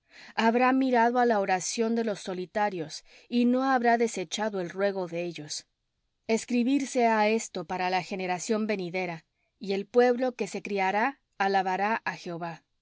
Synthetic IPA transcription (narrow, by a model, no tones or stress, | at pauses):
aβɾamiɾaðo̞alaoɾasjo̞nd̪e̞lo̞sːo̞lit̪aɾjo̞s | ino̞aβɾaðe̞se̞t͡ʃaðo̞e̞lrwe̞ɣo̞ðe̞eʝo̞s | e̞skɾiβiɾse̞ae̞st̪o̞paɾalaxe̞ne̞ɾasjo̞mbe̞niðe̞ɾa | ie̞lpwe̞βlo̞ke̞se̞kɾiaɾaː | laβaɾaʔaxe̞oβa